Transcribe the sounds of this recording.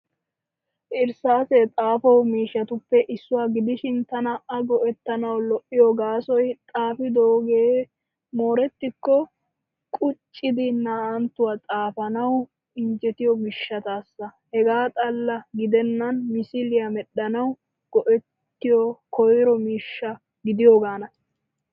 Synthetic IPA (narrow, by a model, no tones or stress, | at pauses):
ʔɪɾsaːset̪ʼaːfɐwmiːʃːɐt̪ʊpːɛʔɪsːʊwaːɡɪd̪ɪʃɪnt̪ɐnɐʔɐɡɔʔɛt̪ːɐnɐwlɔʔɪjɔɡaːsɔjt̪ʼaːfɪd̪oːɡeː | mo̞ːɾɛt̪ːɪkːɔ | kʼʊt͡ʃʼːɪd̪ɪnaːʔɐnt̪ːʊwaːt͡sʼaːfɐnɐw | ɪɲd͡ʒɛt̪ɪjɔmɪʃːɐt̪aːsːɐ | hɛɡaːt̪ʼɐlːɐɡɪd̪ɛnːɐnmɪsɪlɪjɐmɛɗːɐnɐw | ɡ̥ɔʔɛt̪ːɪjɔkʰɔjɾɔmiːʃːɐ | ɡɪd̪ɪjoːɡaːnɐ